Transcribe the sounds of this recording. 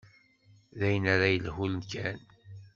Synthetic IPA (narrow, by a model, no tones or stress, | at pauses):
ðæjənaɾajəlhulənkæn